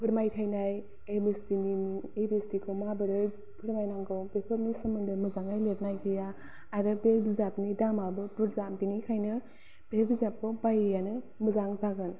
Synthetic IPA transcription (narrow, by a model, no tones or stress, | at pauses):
pʰɯɾmajtʰajnaj | ebestiniebestikʰɯwmabɯɾɯj | pʰɯɾmajnaŋɡɯwbepʰɯpnisɯmɯndɯmɯzaŋajleɾnajkʰɯjaː | ɾɯbeɾbizapnidamabɯbɯɾzamdinikʰajnɯ | b̥eɾbizap̚kʰɔbajjanɯ | mɯzaŋzaɡɯn